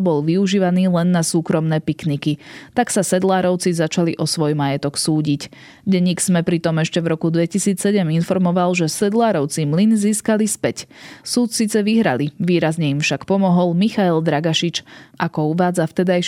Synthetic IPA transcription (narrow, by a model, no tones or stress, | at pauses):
bɔlʋiuʒiːʋaniːlɛnːasuːkɾɔmnɛːpiknikit̪aksasɛd̪laːɾɔʊt͡sizat͡ʃaliʔɔsʋɔjmajɛt̪ɔksuːɟic | ɟɛɲiːksmɛpɾit̪ɔmɛʃcɛvɾɔkud̪ʋɛcisiːt͡ssɛɟɛminfɔɾmɔʋalʒɛsɛd̪laːɾɔʊt͡simlinziːskalispɛcsuːt̪siːt͡sɛʋiɦɾa̰liʋiːɾazɲɛimfʃakpɔmɔɦɔlmixaɛld̪ɾaɡaʃit͡ʃʔakɔuʋaːd͡zaft̪ɛd̪ajʃ